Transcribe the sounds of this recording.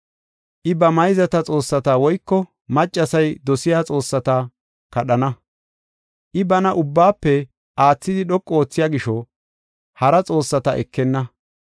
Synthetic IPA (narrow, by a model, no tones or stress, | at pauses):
ʔɪbɐmɐjzɐt̪ɐt͡sʼo̞ːsːɐt̪aːwɔjkːɔ | mɐt͡ʃʼːɐsɐjd̪ɔsɪjaːt͡sʼo̞ːsːɐt̪ɐ | kɐɗɐnɐ | ʔɪbɐnɐʔʊbːaːpːɛ | ʔaːt͡sːɪd̪ɪɗɔkʼːɔo̞ːt͡sːɪjaːɡɪʃɔ | hɐɾɐt͡sʼo̞ːsːɐt̪ɐʔɛkːɛnːɐ